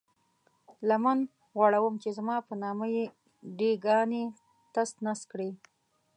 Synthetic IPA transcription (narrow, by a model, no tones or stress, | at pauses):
laman | ɣwɑɽawəmt͡ʃezmɑpənɑməje | ɖeɡɑne | t̪ast̪naskɽe